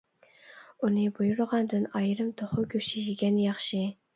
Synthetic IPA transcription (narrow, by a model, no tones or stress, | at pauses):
unɪbujuɾʁɑnd̪ɨnɑjɾɨmt̪ʰoχʊkʲʰøʃɪʒɪɡʲɛnjɑχʃi